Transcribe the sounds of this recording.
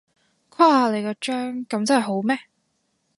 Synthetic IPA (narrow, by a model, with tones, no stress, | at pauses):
kʷʰaː˥haː˧le˨˩kɛː˧t͡ʃœː˥ŋkɐ˨˥mt͡sɐ˥nhɐ˨˩ɦo˨˥wmɛː˥